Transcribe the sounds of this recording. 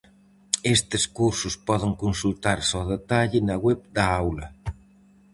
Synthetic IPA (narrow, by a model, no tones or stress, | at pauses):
est̪ɪskuɾsʊspɔðɪŋkonsult̪aɾsɔðet̪aʎɪnɐɣwɛβ̚d̪ɐawlɐ